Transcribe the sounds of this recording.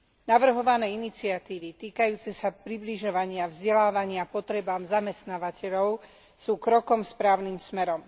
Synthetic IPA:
naʋr̩ɦɔʋanɛːinit͡siat̪iːʋit̪iːkajuːt͡sɛsapɾibliʒɔʋaɲɪavzɟɛlaːʋaɲɪapɔt̪ɾɛbaːmzamɛst̪naːʋacɛʎɔʊ | suːkɾɔkɔmspɾaːʊniːmsmɛɾɔm

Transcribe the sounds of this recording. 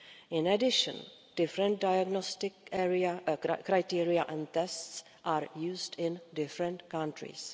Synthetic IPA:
ɪ̃nɛdɪʃə̰̃n | d̥ɪfɾə̃n̚dajaɡnɔstɪkɛɾiakɾajtiːɾiaʔɛ̃nt̪ɛsts | ʔaːɾjuːzdɪ̃ndɪfɾə̃ntkãntɾḭːs

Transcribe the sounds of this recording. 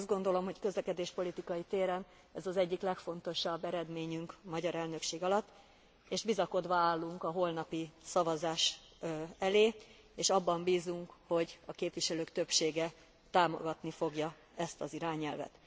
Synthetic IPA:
z̚ɡo̞nd̪o̞lo̞mho̞ckø̞zlɛkɛd̪eːʃpo̞lit̪ikɒjit̪eːɾɛn | ɛzɒzɛɟːiklɛkfo̞nt̪o̞ʃɒbːɛɾɛd̪meːɲyŋkmɒɟɒɾɛlnøkʃeːɡɒlɒt̪ː | eːʒbizɒko̞d̪ʋɒaːlːuŋkɒɦo̞lnɒpisɒvɒzaːʃ | ɛleː | eːʃɒbːɒmbiːzuŋkho̞ɟɒkeːpʋiʃɛløːkt̪ø̞pʃeːɡɛ | t̪aːmo̞̰ɡɒt̪nifo̞ɡjɒ | ɛst̪ɒziɾaːɲɛlvɛ̰t̪

